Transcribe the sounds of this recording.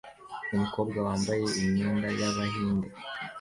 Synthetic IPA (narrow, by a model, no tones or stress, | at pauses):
umiko̞bɡawaːmbaje̞imɲiːndajaβaɦiːnde